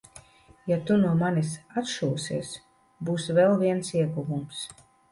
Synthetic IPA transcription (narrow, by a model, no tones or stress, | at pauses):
jat̪unuɔmanʲisat̪ʃuːsḛs | buːsvɛlˠviɛnsiɛɡuvums